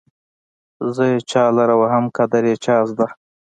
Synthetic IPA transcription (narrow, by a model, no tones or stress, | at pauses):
zəjet͡ʃɑːlaɾawaɦamkad̪aɾjet͡ʃɑːsd̪a